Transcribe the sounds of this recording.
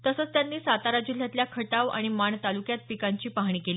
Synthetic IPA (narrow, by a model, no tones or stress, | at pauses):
t̪əsəːt͡st̪janːiːsat̪aɾad͡ʑul̤jat̪ljakʰəʈaʋa̰ɽ̃imaɳt̪alukjat̪̚pikaɲt͡ɕiːpaɦɳ̃iːkeliː